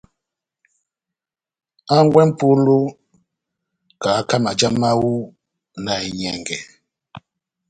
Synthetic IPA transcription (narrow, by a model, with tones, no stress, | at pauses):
a˦ŋ˦ɡwɛ˦m̩˦pu˦lu˦ | ka˨˦ka˦ma˨d͡ʒa˦ma˦wu˦ | na˨i˨ɲɛ˨ŋɡɛ̰˨